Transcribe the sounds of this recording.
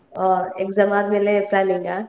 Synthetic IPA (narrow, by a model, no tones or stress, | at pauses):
ɔːɾḛːkzɐmaːt̪̚melepalẽːŋɡaː